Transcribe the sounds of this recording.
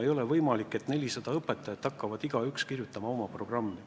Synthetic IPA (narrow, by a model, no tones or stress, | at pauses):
ejo̞le̞vɤjmɑlikːˑe̞t̪ne̞lʲisɑd̪̥ɑɤpːˑe̞t̪ːˑɑjɑt̪ːhɑkːɑvɑd̪̥iɡ̥ɑykskirjut̪ːˑɑmɑo̞mɑpro̞ɡ̥rɑmːi